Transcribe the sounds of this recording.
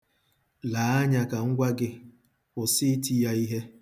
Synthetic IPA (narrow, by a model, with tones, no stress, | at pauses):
la˨˦a˦ɲa˨ka˨ŋ̩˦ɡʷa˦ɡɪ˦ | kʊ˨si˦ti˦ja˦i˦ɦe˦